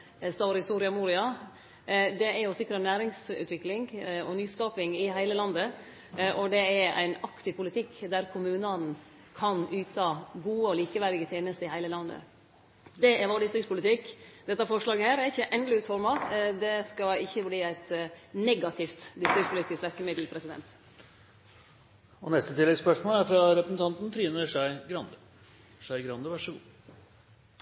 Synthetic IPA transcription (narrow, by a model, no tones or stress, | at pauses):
st̪ɑːɾɪst̪uːɾɪɑmuːɾɪɑ | d̪ɛæɾjʊsɪkɾənæːɾɪŋsʉ̰t̪ʋɪklɪŋɔnyːskɑːpɪŋɪɦæɪləlɑnd̪ə | ʔɔd̪ɛæɾæ̰ɪnɑkt̪ɪʋpʊlɪt̪ʰɪkːd̪æɾkʰʊmʉːnɑn | kʰɑnʉːt̪ʰɑːɡuːəɔliːkəʋæɾɪɡət̪ʰjeːnəst̪əɪhæɪləlɑnd̪ə̰ | d̪ɛɛɾʋoːd̪ɪst̪ɾɪkspʊlɪt̪ʰɪkːd̪ɛt̪ːɑfɔʂɭɑːɡəhæːɾæɾɪçːəʔɛnd̪l̩ɪʉːt̪fɔɾmɑd̪ɛskɑɪçːəbliːæɪt̪nɛɡɑt̪ʰɪft̪d̪ɪst̪ɾɪkspʰʊlɪt̪ɪsʋæɾkəmɪd̪l̩pʰɾɛsɪd̪ɛ̰nt̪ | ɔnɛst̪ət̪ʰɪlːɛɡspœʂmoːlæɾfɾɑɾɛpɾəsn̩t̪ʰɑnt̪n̩t̪ʰɾiːnəʂæɪɡɾɑnd̪ə | ʂæɪɡɾɑnd̪əʋæʂəɡuː